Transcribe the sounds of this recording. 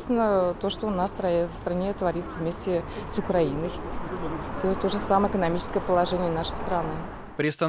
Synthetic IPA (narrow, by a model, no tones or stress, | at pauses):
st̪ʲɪnːət̪oʂt̪onast̪ɾafst̪ɾanʲet̪vɐɾʲit̪səvmʲesʲtʲɪsʊkɾainəj | dʲɛt̪o̞ʐɨsaməɪkənɐmʲit͡ʃɪ̥skəjəpəlˠɐʐɛnʲɪjənaʂə̥jst̪ɾɐnɨ | pɾʲɪst̪a